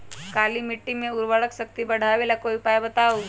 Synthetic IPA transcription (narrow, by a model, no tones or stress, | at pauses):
kaːlimɪʈːimẽʊɾʋəɽəkʃək̚t̪ibɐɽ̤ʱaʋelakoːipaːjbət̪aːo